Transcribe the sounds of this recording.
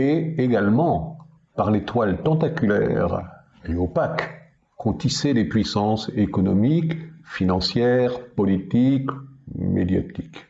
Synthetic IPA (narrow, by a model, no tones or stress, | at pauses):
eeɡalmɑ̃ | paʁlet̪walt̪ɑ̃t̪akʲylɛ̰ʁ | eopak | kɔ̃t̪isɛd̪epɥisɑ̃sekɔnɔmikfinɑ̃sjɛʁpɔlit̪ikmḛd̪ja̰t̪ik